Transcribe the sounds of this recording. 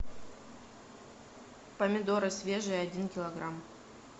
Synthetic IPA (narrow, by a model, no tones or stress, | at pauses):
pəmʲɪd̪oɾɨsvʲeʐɨjɐdʲinkʲɪlˠɐɡram